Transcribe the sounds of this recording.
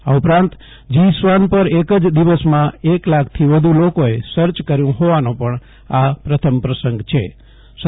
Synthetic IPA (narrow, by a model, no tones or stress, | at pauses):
aupɾãnt̪ | d͡ʒisʋanpəɾekəd͡ʒd̪iʋəsmãeklakʰt̪ʰiʋəd̪ʱulokoesəɾt͡ʃkəɾjũɦoʋanõpəɳ | apɾət̪ʰəmpɾəsəŋɡt͡ʃʰe | s